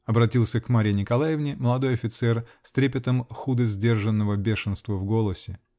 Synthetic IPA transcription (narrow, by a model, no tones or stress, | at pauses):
ɐbɾɐtʲilˠsʲəkmaɾʲɪnʲɪkɐlˠajɪvnʲɪməlˠɐd̪o̞jɐfʲɪt̪sɛrsʲt̪ɾʲepʲɪt̪əmxud̪əzʲdʲe̞rʐənːəvəbʲe̞ʂɨnst̪vəvɡo̞lˠəsʲɪ